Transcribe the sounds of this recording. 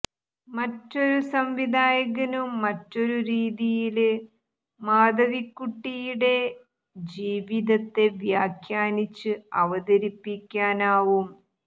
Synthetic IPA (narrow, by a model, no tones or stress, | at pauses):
mɐtːo̞ɾusɐmʋid̪ʱaːjɐɣɐnumːɐtːo̞ɾuɾiːðijil | maːd̪ʱɐʋikːuʈːijuɽe̞ | d͡ʑiːʋiðɐt̪ːe̞ʋjaːkʰjaːnit͡ɕːɨɐʋɐðɐɾipːikʲːaːnaːʋum